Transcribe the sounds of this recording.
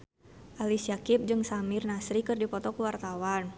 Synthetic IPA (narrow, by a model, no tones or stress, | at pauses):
ʔalisiakip̚d͡ʒɨŋsamirnasɾikɨrdipɔt̪ɔkuwart̪awan